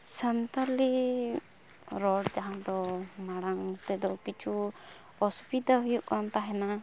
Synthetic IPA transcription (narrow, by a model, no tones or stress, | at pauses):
sant̪ali | ɾɔɽd͡ʒaɦawd̪ɔmaɽaŋt̪ɛd̪ɔkit͡ʃʰu | ɔspid̪aɦujuʔkamt̪aɦɛna